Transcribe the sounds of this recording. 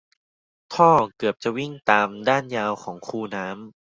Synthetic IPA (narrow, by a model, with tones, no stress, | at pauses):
t̪ʰɔː˥˩kɯ˨˩əp̚t͡ɕa˨˩wi˥˩ŋt̪aː˧mdaː˥˩njaː˧wkʰɔː˩˦ŋkʰuː˧˩naː˦˥m